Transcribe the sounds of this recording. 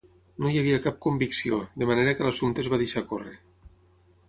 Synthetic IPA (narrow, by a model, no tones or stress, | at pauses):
nojaβ̞iakap̚kombiksioðəmaneɾəkəlasunt̪ezβaðeʃakorḛ